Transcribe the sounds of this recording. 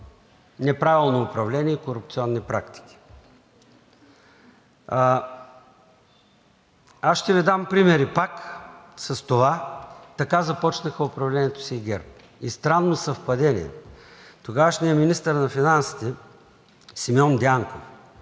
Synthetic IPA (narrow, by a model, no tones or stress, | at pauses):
nɛpɾavilˠnoːpɾɐvlɛnʲiɛikoɾʊp̚t̪siɔnːipɾakt̪i̥k̟ʲi̥ | asʃt̪ɛvid̪ampɾimɛɾipaksɐst̪ovat̪ɐkazɐpɔt͡ʃnəxəʊpɾɐvlɛnʲiɛt̪o̥siːɡɛɾp | ist̪ɾanːosɐfpɐd̪ɛnḭɛ̰t̪oɡavəʃnʲiɛminist̪əɾnɐfinansi̥t̪ɛ | simʲɔnd̪ʲaŋkof